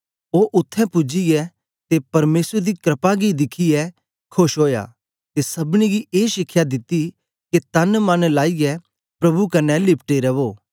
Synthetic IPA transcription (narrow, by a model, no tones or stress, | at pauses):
oːʔʊt̪ʰːɛ̃pʊd͡ʒiɡɛ | t̪epɐɾmeːsɾd̪ikɾɐpaɡid̪ɪkʰijɛ | kʰoʃɦoːja̰ː | t̪esɐbɽ̃iɡiʔeːʃɪkʰːjad̪ɪt̪i | ket̪ɐnmɐnlaːijɛ | pɾɐbukɐnɛlɪp̚ʰʈeɾɐʋoː